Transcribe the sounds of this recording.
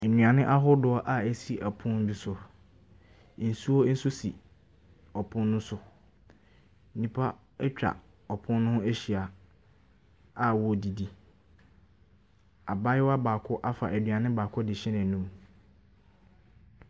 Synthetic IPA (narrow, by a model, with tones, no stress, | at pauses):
nɥ̃ã˨nɪ̃˦ʔa˦ɦʊ˦dʊ˨˦ɔ˦ʔa˨æ˨si˦ʔæ˨pʰʊ̃˦n̩˦du˦sʊ˨ | n̩˨su˦ɔ˦n̩˦su˦sḭ˨ | ɔ˨pʰʊ̃˦nːʊ̃˦sʊ˦ | n̩˦nĩ˨pʰa˦ | ɛ˦t͡ɕᶣa̰˨ | ɔ˨pʰʊ̃˦nː˦ʊ̃˦hʊ̃˦æ˦ɕi˨a˨ | a˨wɔ˦˨di˨di˨ | a˨ba˦jɪ˦wa˦baː˨kʰʊ˦ʔa˦fa̰˨ʔæ˨dɥã˨nɪ̃˦baː˨kʰʊ˦dɪ˨ɕɪ˦nã˨nũ˦m